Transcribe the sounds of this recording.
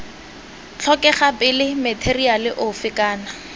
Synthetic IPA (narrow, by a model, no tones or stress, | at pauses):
t͡ɬʰɔkɛχapɪlɪmɛtʰerialɪʔʊfɪkaːna